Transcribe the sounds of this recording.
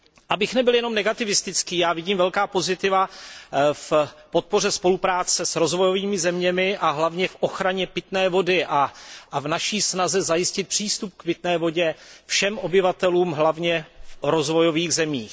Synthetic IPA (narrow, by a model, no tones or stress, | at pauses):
ʔabɪxnɛbɪljɛno̞mnɛɡat̪ɪvɪst̪ɪt͡skiːjaːvɪɟiːmvɛlkaːpo̞zɪt̪ɪva | fpo̞t̪̚po̞r̝ɛspo̞lupɾaːt͡sɛsɾo̞zvo̞jo̞viːmɪzɛmɲɛmɪʔaɦlavɲɛfʔo̞xɾaɲɛpɪt̪nɛːvo̞dɪʔavnaʃiːsnazɛzajɪscɪt̪̚pr̥iːst̪up̚kpɪt̪nɛːvo̞ɟɛfʃɛmʔo̞bɪvat̪ɛluːmɦlavɲɛfɾozvojo̞viːɣzɛmiːx